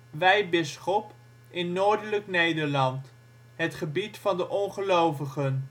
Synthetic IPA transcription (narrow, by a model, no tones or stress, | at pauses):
ʋɛjbɪsχɔp | ɪnːoːɹdələknejdəɹlɑnt | ɦətχəbitfɑndəʔɔnχəlowvəχən